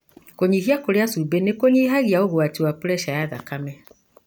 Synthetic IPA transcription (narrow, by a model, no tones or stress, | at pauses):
koɲiɦiakoɾjasubenekoɲiɦaɣiaoɣoatiwapuɾɛʃajaða̰kamɛ